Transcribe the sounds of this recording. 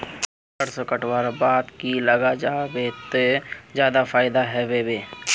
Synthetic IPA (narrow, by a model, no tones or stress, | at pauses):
əɾsokəʈwaɾbaːd̪kiləɡad͡ʒaːbet̪ed͡ʒjaːd̪afʰaːɪd̪aɦɛbebeː